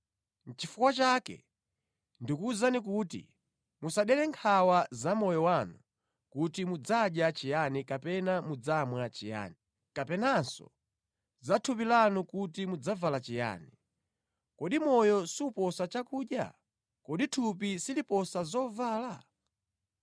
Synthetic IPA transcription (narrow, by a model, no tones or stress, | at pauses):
n̩t͡ʃifukwat͡ʃaːkɛ̰ | ndikuzanikutḭ | musaɗɛlɛŋkʰawazamɔjɔwanu | kutimud͡zaɗjat͡ʃijanikapɛnamud͡zamwat͡ʃija̰ːni | kapɛnasɔ̰ | zatʰup̬ilanukutimud͡zavalat͡ʃija̰ːni | kɔɗimɔjɔsiupɔsat͡ʃakuːɗja̰ | kɔɗitʰup̬isilipɔsazɔvaːla